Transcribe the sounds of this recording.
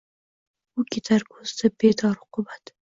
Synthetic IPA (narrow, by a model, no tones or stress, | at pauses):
ʊkʲʰet̪ʰaɾkʰoz̥d̪abed̪ɒɾhʊ̥qʰʊbat̪